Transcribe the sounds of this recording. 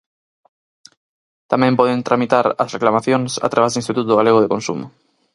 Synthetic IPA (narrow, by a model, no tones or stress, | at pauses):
t̪amɛ̃mpɔðent̪ɾamit̪aɾɐ̰sreklamaθjoŋsa̰t̪ɾaβezðuinst̪it̪ut̪oɣaleɣ̞oðekonsṵmʊ̰